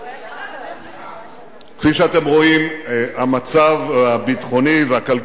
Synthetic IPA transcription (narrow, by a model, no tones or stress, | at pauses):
kfiʃeat̪emʁo̞imamat͡savabit̪χo̞niveakal